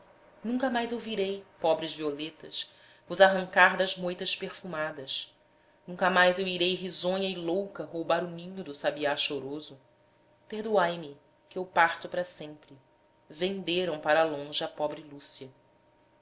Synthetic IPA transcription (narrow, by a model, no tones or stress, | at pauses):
nũkɐmajzewviɾejpɔbɾɪzviolet̪ɐʃ | vʊzaɦɐ̃ŋkaɾd̪ɐzmojt̪ɐʃpeɾfumad̪ɐʃ | nũŋkɐmajzewiɾejɦizõɲɐɪlowkɐɦowbaɾʊmĩɲʊd̪ʊsabiaʃoɾozʊ | pehd̪uajmɪ | kɪewpaɾt̪ʊpɾɐsẽmpɾɪ | vẽnd̪eɾɐ̃w̃paɾɐlõʒɪɐpɔbɾɪlusiɐ